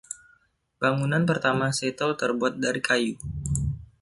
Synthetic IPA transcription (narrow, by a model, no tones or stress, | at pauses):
b̥aŋunanpərt̪amaset̪ɔlt̪ərbuat̪̚daɾikʰaju